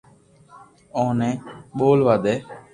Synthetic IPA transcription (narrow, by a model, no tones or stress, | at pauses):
õːnɛ̃ːɓoːlʋaːd̪eː